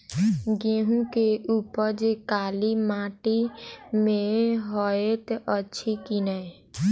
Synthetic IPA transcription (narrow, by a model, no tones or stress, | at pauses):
ɡẽːɦũkeʔuːpəɾd͡ʒekaːlimaːʈimẽɦɔet̪ʔətːʃʰikinəe